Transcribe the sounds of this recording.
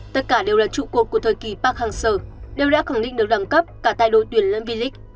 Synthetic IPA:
t̪ə˦˥t̚kaː˧˩ɗe˨˩wlaː˨˩t͡ɕṵ˧˨ku˨˩əku˧˩ət̪ʰəː˨˩jki˨˩paː˦˥k̚haː˨˩ŋsəː˧˩ɗe˨˩wɗa̰ː˧˥xaː˧˩ŋɗḭ̈˧˨ŋ̟ɗɨ˨˩ək̚ɗaː˨˧˩mkə˦˥p̚kaː˧˩t̪a̰˧˨jɗo̰˧˨t̪wi˧˩ənlə̰˧˥nvi˧˩lï˦˥k̚

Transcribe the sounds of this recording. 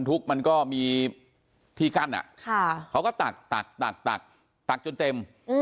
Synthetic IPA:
nt̪ʰu˦˥k̚ma˧nkɔː˥˩miː˧ | t̪ʰiː˧˩ka˥˩nʔa̰˨˩ʔkʰa˥˩a˦˥wkɔː˥˩t̪a˨˩k̚t̪a˨˩k̚t̪a˨˩k̚t̪a̰˨˩k̚ | t̪a˨˩k̚t͡ɕo˧nt̪e˧mː˧

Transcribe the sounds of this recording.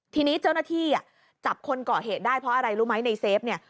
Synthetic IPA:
t̪ʰiː˧niː˦˥t͡ɕa˥˩wnaː˥˩t̪ʰiː˥˩a˨˩ | t͡ɕa˨˩p̚kʰo˧nkɔː˨˩ɦeː˨˩t̪̚daː˥˩jpʰɾɔ˦ʔa˧ɾa˧jɾuː˦˥ma˦˥jna˧jseː˦˥p̚ni˥˩ɐ

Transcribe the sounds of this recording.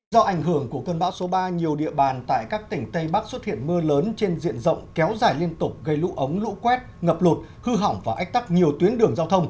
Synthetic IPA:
zɔ˧ʔa˧˩jŋɦɨ˧˩əŋku˧˩əkəː˧nɓa̰ː˧˥wso˨˦ɓaː˧ɲi˨˩əwɗḭ˧əɓaː˨˩nt̪a̰ː˧˨jkaː˦˥k̚t̪ï˨˩ŋ̟t̪ə˧jɓa˦˥k̚swə˦˥t̚hḭ˧˨ənmɨ˧ləː˨˦nt͡ɕe˧nzḭ˧˨ənzə̰˧˨wŋ͡mkɛ˨˦wzaː˧˩jli˧ənt̪ʊ˨˩k͡p̚ɣə˧jlṵ˧˥ʔə˨˦wŋ͡mlṵ˧˥kwɛ˦˥t̚ŋə˨˩p̚lu˨˩t̚hɨ˧ɦa˨˧˩wŋ͡mvaː˨˩ʔa˦˥k̟̚t̪a˦˥k̚ɲi˨˩əwt̪wi˨˦nɗɨ˨˩əŋzaː˧wt̪ʰə˧wŋ͡m

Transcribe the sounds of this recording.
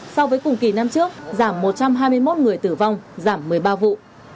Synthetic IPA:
sɔ˧wvəː˨˦jkʊ˨˩ŋ͡mki˨˧˩na˧mt͡ɕɨ˦˥ək̚zaː˧˩mːo˨˩t̚t͡ɕa˧mɦaː˧jmɨ˧əjmo˦˥t̚ŋɨ˨˩əjt̪ɨ˧˩va˧wŋ͡mzaː˧˩mːɨ˨˩əjɓaː˧vṵ˧˨

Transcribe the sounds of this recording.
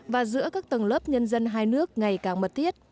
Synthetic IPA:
vaː˨˩zɨ̰˧˥əkaː˦˥k̚t̪wə˨˩ŋləː˦˥p̚ɲə˧nzə˧nɦaː˧jnɨ˦˥ək̚ŋa˨˩jkaː˨˩ŋmə˨˩t̚t̪ʰi˦˥ət̚

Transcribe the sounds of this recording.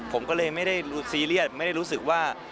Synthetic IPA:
pʰo˩˦mkɔː˥˩lɤː˧jma˥˩jda˥˩jduː˧˩siː˧li˥˩ət̪̚ma˥˩jda˥˩jɾu˦˥s̬ɯ˨˩k̚waː˥˩

